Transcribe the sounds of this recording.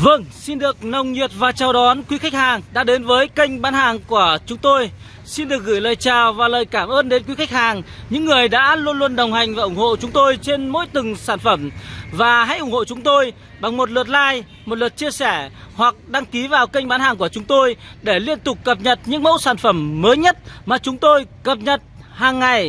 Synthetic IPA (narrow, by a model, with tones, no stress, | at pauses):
və˧ŋsi˧nɗɨ˨˩ək̚nə˨˩wŋ͡mɲi˨˩ət̚vaː˨˩t͡ɕaː˨˩wɗɔ˨˦nkwi˨˦xa˦˥k̟̚haː˨˩ŋɗa̰ː˧˥ɗe˨˦nvəː˨˦jkə˧jŋ̟ɓaː˨˦nhaː˨˩ŋku˧˩ət͡ɕʊ˨˦ŋ͡mt̪o˧j | si˧nɗɨ˨˩ək̚ɣɨ˧˩jləː˨˩jt͡ɕaː˨˩wvaː˨˩ləː˨˩jkaː˧˩mʔəː˧nɗe˨˦nkwi˨˦xa˦˥k̟̚haː˨˩ŋɲɨ̰˧˥ŋːɨ˨˩əjɗa̰ː˧˥lu˧ənlu˧ənɗə˨˩wŋ͡mɦa˨˩jŋ̟vaː˨˩ʔʊ˧˩ŋ͡mho̰˧˨t͡ɕʊ˨˦ŋ͡mt̪o˧jt͡ɕe˧nmo̰˧˥jt̪ɨ˨˩ŋsaː˧˩nfə˧˩mvaː˨˩ɦa̰˧˥jʔʊ˧˩ŋ͡mho̰˧˨t͡ɕʊ˨˦ŋ͡mt̪o˧j | ɓa˨˩ŋmo˨˩t̚lɨ˨˩ət̚laː˧j | mo˨˩t̚lwə˨˩t̚t͡ɕi˧əsɛ˧˩hwa˨˩k̚ɗa˧ŋki˨˦vaː˨˩wkə˧jŋɓaː˨˦nhaː˨˩ŋk̬u˧˩ət͡ɕʊ˨˦ŋ͡mt̪o˧jɗe˧˩li˧ənt̪ʊ˨˩k͡p̚kə˨˩p̚ɲə˨˩t̚ɲɨ̰˧˥ŋmə̰˧˥wsaː˧˩nfə˧˩mːəː˨˦jɲə˦˥t̚maː˨˩t͡ɕʊ˨˦ŋ͡mt̪o˧jkə˨˩p̚ɲə˨˩t̚ | haː˨˩ŋːa˨˩j